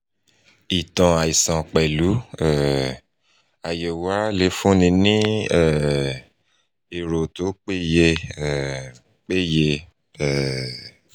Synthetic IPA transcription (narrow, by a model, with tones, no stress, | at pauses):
i˨tã˧a˨i˨sã˨k͡pɛ˨lu˨˦ɛ˦˨ | a˨je˨wa˨˦le˨˦fũ˦nĩ˧nĩ˦ɛ˦˨ | e˨ɾo˨to˨˦k͡pe˦je˧˦˨ | k͡pe˦je˧ | ɛ˦˨